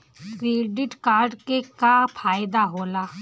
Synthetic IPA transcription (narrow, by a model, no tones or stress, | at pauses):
kɾeːɖɪʈkaːɾɖkekapʰaːjd̪aɦoːlaː